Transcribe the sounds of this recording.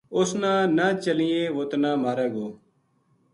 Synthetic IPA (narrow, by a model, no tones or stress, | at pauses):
ʊsnãːnaːt͡ʃəlijẽːʋoːt̪nãːmaːɾeːɡoː